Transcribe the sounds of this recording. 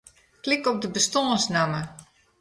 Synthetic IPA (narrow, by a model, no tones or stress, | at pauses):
klɪkɔp̚dəbəstɔsnamə